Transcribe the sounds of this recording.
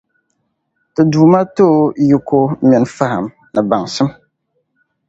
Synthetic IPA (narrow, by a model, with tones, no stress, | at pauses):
tɨ˨duː˨ma˦to˦˨˦ji˦ko˦mɛ˨nfa˦ha̰˨m | nɨ˨ba˨ŋsɨ˦m